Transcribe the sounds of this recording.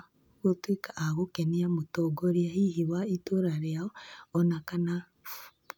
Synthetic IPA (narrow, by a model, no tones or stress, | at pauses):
ɣotwikaʔaɣokeniamotɔɡoɾiahihiwaitoɾaɾeaɔɔnakana | f